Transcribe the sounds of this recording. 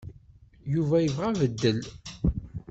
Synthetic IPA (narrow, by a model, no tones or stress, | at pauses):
juvæjəvʁævəd̪ːəl